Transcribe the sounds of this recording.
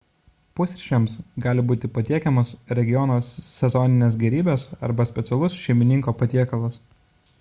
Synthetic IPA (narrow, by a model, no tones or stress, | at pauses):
pʊsʲɾʲɪʃʲɛmsɡɑːlʲɪbuːt̪ʲɪpɐt̪ʲiɛkʲɛmɐsɾʲɛɡʲɪjɔnosːʲɛzɔnʲɪnʲeːs̬ɡʲɛɾʲiːbʲeːsɐ̰ɾbɐsʲpʲɛt̪sʲɛlˠʊsʃʲɛɪmʲɪnʲɪŋkoːpɐt̪ʲiɛkɐlˠɐs